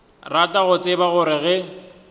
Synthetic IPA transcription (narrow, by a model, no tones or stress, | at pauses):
ratʼaɣʊt͡sʼɪbaɣʊɾɪɣɛ